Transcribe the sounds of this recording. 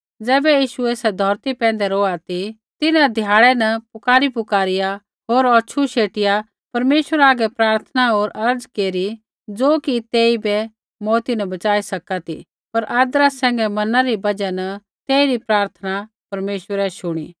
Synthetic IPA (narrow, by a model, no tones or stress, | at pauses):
d͡zɛːbɛjiːʃueːsɛd̪ʱɔːɾt̪ipɛ̃ːn̆d̪ɛɾoːat̪i | t̪ɪnãd̪ʱjaːɭɛnɐpʊkaːɾipʊkaːɾɪja | ɦoːɾɔːʃʰuʃeːʈɪja | pɐɾmeːʃwəɾaːɡɛpɾaːɾt̪ʰnaɦoːɾɐɾd͡zkeːɾi | d͡zoːkit̪eːibɛ | mɔːt̪inɐbɐt͡ʃaːisɐkat̪ḭ | pɐɾʔaːd̪ɾasɛ̃ːŋɡɛmɐnãɾibɐd͡ʒɛnɐ | t̪eːiɾipɾaːɾt̪ʰəna | pɐɾmeːʃʋəɾɛʃʊɽ̃iː